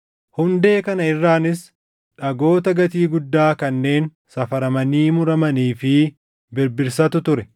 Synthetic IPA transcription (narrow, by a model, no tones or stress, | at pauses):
hʊnd̪e̞ːkɐnɐɪrːaːnɪs | ᶑɐɡo̞ːt̪ɐɡɐt̪iːɡʊd̪ːaːkɐnːe̞ːn | sɐfɐɾɐmɐniːmʊɾɐmɐniːfɪ | bɪɾbɪɾsɐt̪ʊt̪ʊɾɛ